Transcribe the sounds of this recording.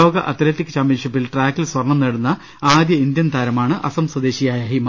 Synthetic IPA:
o̞ːɡɐʔɐt̪iɾeːt̪ːikːɨt͡ɕaːmpjɐnʂipːilʈraːkːilswɐrɳɐmneɽunːɐ | aːd̪jɐind̪jɐnt̪ʰaːɾɐmaːɳɨʔɐsɐmswɐd̪eːɕijaːjɐɦimɐ

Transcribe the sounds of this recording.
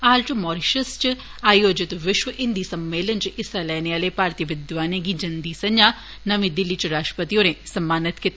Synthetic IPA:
aːlt͡ʃmɔːɾɪʃəst͡ʃ | aːjoːd͡ʒɪt̪ʋɪʃʋəʔɪ̃nd̪iːsəmːeːlənt͡ʃɪsalɛːneːaːleːpaːɾt̪iːʋɪd̪ʋaːnẽːɡiːd͡ʒɐnd̪iːsɐɲd͡ʒaː | nəʋĩːd̪ɪlːiːt͡ʃɾaːʃʈɾəpət̪iːoːɾẽːsəmːaːnɪt̪kɪt̪ː

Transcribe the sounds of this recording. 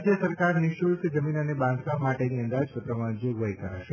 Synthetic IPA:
d͡ʒjəsəɾkaɾniʃult̪d͡ʒəminanebãnd̪ʱkamaʈeniənd̪ad͡ʒpət̪ɾəmãd͡ʒoɡʋəjkəɾaʃe

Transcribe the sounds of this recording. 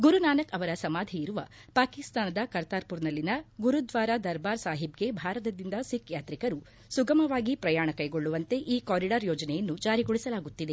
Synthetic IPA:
ɡuɾunaːnɐkɐʋɐɾɐsɐmaːd̪ʱiiɾuʋɐ̰paːkist̪aːnɐd̪ɐkɐɾt̪aːɾpuɾnɐlːinɐɡuɾud̪ʋaːɾad̪ɐɾbaːɾsaːɦibɡe̞bʱaːɾɐt̪ɐd̪ind̪ɐsikjaːt̪ɾikɐɾu | suɡɐmɐʋaːɡipɾɐjaːɳɐkɐjɡoɭːuʋɐnt̪e̞ʔiːkoːɾiɖɐɾjoːd͡ʒɐnɛjɐnːud͡ʒaːɾiɡoɭisɐlaːɡut̪ːid̪e̞

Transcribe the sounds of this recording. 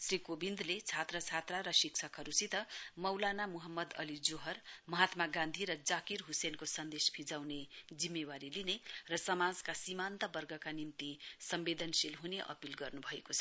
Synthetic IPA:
srikobind̪let͡sʰat̪rʌt͡sʰat̪raɾʌsik̚t͡sʰʌkɦʌɾusit̪ʌmʌwlanamuɦʌmːʌd̪ʌlid͡zoɦʌrmʌɦat̪maɡãnd̪ʱiɾʌd͡zakirɦusenkosʌnd̪espʰid͡zawned͡zimːewaɾilinerʌsʌmad͡zkasimant̪ʌbʌrɡʱʌkanimt̪isʌmbed̪ʱʌnsilɦuneʔʌ̰pilɡʌrnubʱʌekot͡sʰʌ̥

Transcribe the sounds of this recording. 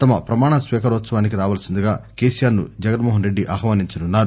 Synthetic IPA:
t̪ɐmɐpɾɐmaːɳɐsʋɛːkɐɾɔːt̪sɐʋaːnikiɾaːʋɐːlɐsind̪iɡaːkeːsijaːɾnṵd͡ʒɐɡɐnmoːɦɐnɾeɖːiʔɐɦɐʋɐniɲt͡ʃɐnunːaːɾu

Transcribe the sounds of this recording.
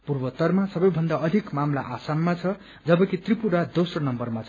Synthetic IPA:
purbʌt̪ʌrmasʌbʌjbʱʌnd̪aʌd̪ʱikmamlaʔasanːat͡sʰʌ | d͡zʌbʌkit̪ripuɽad̪osrʌnʌmbʌrmat͡sʰ

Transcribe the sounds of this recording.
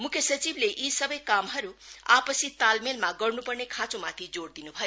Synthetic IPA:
mukʰjesʌt͡sibleʔisʌbʌjkamɦʌɾuapʌsit̪almelmaɡʌɾnupʌrnekʰãt͡sõmat̪ʰid͡zoɽd̪inubʱʌjo

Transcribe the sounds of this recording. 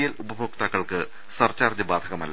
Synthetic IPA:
jɐlubɐbʱoːk̚t̪aːkːɐɭkɨ | sɐrt͡ɕaːrd͡ʑɨbaːd̪ʱɐɣɐmɐlːɐ

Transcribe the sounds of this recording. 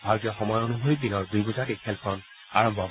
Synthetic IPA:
bʱaɹʊtijɔxɔmɔjonubʱojpinɔɹdujɡuzatikxɛlkʰɔn | a̰ɹɔmbʱɔ

